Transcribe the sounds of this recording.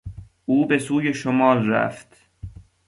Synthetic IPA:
ʔuːbe̞suːjeʃomɒːlræ̰ft̪

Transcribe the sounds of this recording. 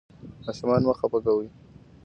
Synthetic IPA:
mɑʃumɑnməxapəkawi

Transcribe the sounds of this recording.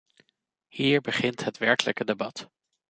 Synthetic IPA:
hiːɹbəχɪntɦətʋɛɹkələkədebɑt

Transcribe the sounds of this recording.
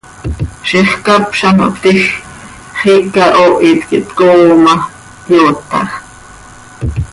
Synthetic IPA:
ʃiχkapʃɑno̰kt̪ix | χiːkaʔoʔit̪kiʔt̪koːmɑ | pjoːt̪ɑ̰χ

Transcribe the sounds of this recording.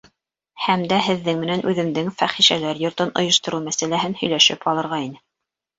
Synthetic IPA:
hæmd̪æɦɘ̆ðːɘŋmɘ̆nænʔʉðɘ̆md̪ɘŋfæχiʃælæɾjŏɾt̪ɤnʔŏjŏʃt̪ŏɾumæsælæɦɘnhɵ̆jlæʃɘpʰɑlˠɤ̆ɾʁɑinɘ

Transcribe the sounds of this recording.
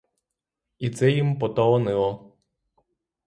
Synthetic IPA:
it̪sɛjimpɔt̪ɔɔnɪlˠɔ

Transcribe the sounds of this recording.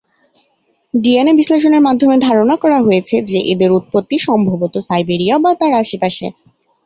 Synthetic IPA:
ɖienebisleʃ̬oneɾmad̪ʱːomed̪ʱaɾonakɔɾaɦojet͡ɕʰed͡ʑeʔed̪eɾut̪̚pot̪ːiʃɔmbʱabot̪osajbeɾiabat̪aɾaʃipaʃḛ

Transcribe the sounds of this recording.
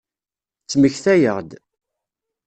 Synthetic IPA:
t͡sːməçθæjəʁd̪

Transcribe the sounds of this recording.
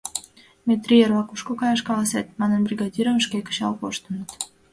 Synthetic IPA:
mʲet̪rʲijeɾvɑkuʃkokɑjɑʃkɑlˠɑset̪̚mɑnɤnbrʲiɡɑd̪ʲiɾəməʃkʲekʲə̥ʃɑ̰lˠpoʃt̪ə̆nɤt̪

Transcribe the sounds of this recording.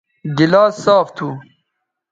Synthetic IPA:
ɡilaːsːaːft̪ʰu

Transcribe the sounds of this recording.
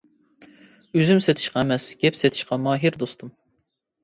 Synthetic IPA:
øzymset̪ʰɪ̥ʃqɑɛmɛsɡʲɛpset̪ʰɪ̥ʃqɑmɑːɦiɾd̪ost̪ʰum

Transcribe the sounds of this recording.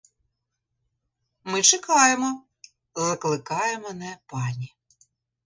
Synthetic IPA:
mɪt͡ʃɪkɑjemɔ | zɐklˠɪkɑjɛmɔnɛpɑnʲi

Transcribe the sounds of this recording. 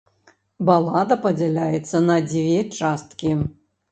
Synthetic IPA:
balˠad̪ɐpɐd͡zʲɛlʲajɛt̪sːɐnɐd͡zʲvʲɛt͡ʂast̪kʲi

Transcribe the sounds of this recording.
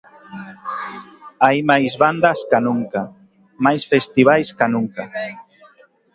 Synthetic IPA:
ajmajzβand̪askanuŋka | majsfest̪iβ̞ajskanuŋka

